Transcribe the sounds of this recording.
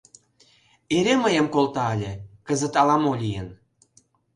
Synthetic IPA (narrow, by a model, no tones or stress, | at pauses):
eɾeməjə̆mkolt̪ɑəlʲĕkəzə̆t̪ɑlɑmolʲijən